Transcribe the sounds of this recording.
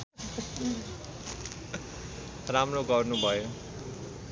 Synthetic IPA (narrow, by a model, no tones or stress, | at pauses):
ramnoɡʌrnubʱʌjo